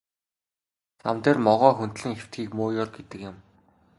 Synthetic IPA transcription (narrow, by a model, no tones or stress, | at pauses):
sʰamt̪eːrmɔʁœːxunt̪ɮɘ̆ŋxew̥t̪ɡiːkmoːjɔrɡet̪ɘ̆kjɪ̆m